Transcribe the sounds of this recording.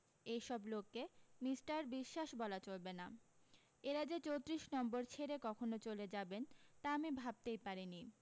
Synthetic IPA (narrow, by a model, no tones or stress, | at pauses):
ejʃɔblokːemisʈaɾbiʃːaʃbɔlat͡ɕolbena | eɾad͡ʑet͡ɕowt̪ɾiʃnɔmboɾt͡ɕʰeɾekɔkʰonot͡ɕoled͡ʑabent̪aamibʱab̚t̪ejpaɾini